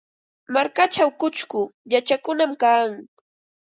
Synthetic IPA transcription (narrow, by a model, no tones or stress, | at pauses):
maɾkat͡ʃawkʊt͡ʃkʊʎat͡ʃakʊnamkaːŋ